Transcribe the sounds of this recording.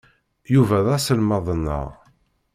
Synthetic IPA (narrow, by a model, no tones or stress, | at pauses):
juvæðæsəlmɑðˤənːə̰ʁ